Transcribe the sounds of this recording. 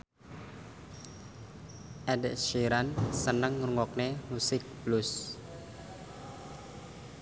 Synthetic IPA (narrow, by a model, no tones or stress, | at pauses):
ʔɛdʃiɾansənəŋːruŋɔk̚nemusɪk̚b̥lʊs